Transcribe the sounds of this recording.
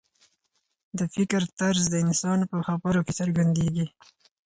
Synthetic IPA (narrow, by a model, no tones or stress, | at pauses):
d̪əfɪkɾt̪aɾzd̪əɪnsɑnpəxabəɾokesəɾɡand̪eɡi